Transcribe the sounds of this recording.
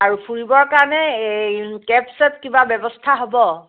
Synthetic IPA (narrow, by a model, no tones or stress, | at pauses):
aɹupʰuɹibɔɹkaɹɔnɛekɛpsɛtkibabɛbɔstʰaɦobɔ